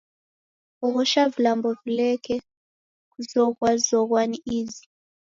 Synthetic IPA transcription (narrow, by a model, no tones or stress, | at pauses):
ɔɣɔʃavulambɔvulɛkʰɛ | kuzɔkwazɔɣ̬waniiːzi